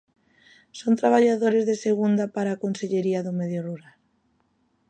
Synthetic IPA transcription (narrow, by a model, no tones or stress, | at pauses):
sont̪ɾaβ̞aʎaðoɾezðeseɣund̪apaɾaːkonseʎeɾiaðʊmeðjoruɾal